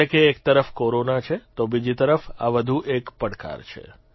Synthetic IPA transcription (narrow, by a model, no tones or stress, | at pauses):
ekeːkt̪əɾəfkoɾonat͡ʃʰet̪obid͡ʒit̪əɾəfa̰ʋəd̪ʱuʔekpəɽka̰ɾt͡ʃʰḛ